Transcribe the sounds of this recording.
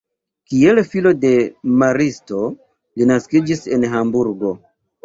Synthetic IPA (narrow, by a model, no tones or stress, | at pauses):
kielfilo̞de̞maɾisto̞ | linaskid͡ʒise̞nɦambuɾɡo̞